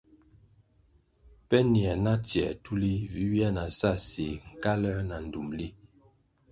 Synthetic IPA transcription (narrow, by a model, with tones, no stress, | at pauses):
pɛ˦njɛ˨na˦tjɛ̰˨tu˦li˦vi˨˦wja˦na˨sa˦˨si˨ŋ̩˨ka˦lɛ˦na˨n̩˨du˨mli˦